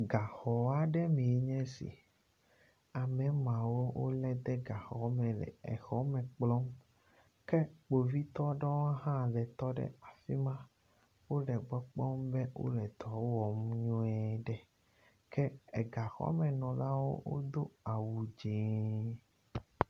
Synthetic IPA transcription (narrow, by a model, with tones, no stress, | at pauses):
ɡa˨xɔ˨a˦ɖɛ˦mẽ˨˦ɲɛ̃˦sḭ˨ | a˨mɛ̃˨˦mã˨wo˦wʔo˦lɛ˦d̪ɛ˦ɡa˨xɔ˨˦mɛ̃˨lɛ̰˨ɛ̰˨xɔ˦mɛ̃˨k͡plɔ˦m | kɛ˦k͡po˨vi˦t̪ɔ˦ɖɔ˦wa˦ɦã˦˨ɖɛ˨t̪ɔ˦ɖɛ̰˦a˨fi˦mã˦ | wo˦ɖɛ˨ɡ͡bɔ˦k͡pɔ˦mbɛ˦wo̰˦lɛ˨d̪ɔ˨˦wɔ˨mɲũ˦ɛ˦ɖɛ˦˨ | kɛ˦ɛ˨ɡa˨xɔ̰˦mɛ̃˨nɔ̃˨la˦wo̰˦wo̰˦d̪o˦a˨wu˨d͡ʒe˨˦